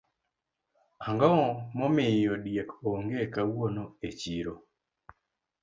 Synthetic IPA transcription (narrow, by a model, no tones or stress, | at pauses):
aŋɡaɔmɔmɪjodjakoŋɡekawonoet͡ʃiɾo